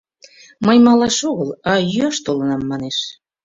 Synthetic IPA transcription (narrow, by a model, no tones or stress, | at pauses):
məjmɑlɑʃoɣəlɑjyɑʃt̪olənɑmːɑneʃ